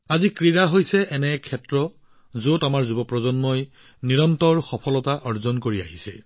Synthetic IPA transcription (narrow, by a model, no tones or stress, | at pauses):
azikɹiɹaɦojsɛʔɛnɛkʰɛtɹɔ | zotamaɹzubɔpɹɔzɔnmɔj | niɹɔntɔɹxɔpʰɔlɔtaʔɔɹzɔnkoɹia̰ɦisɛ̰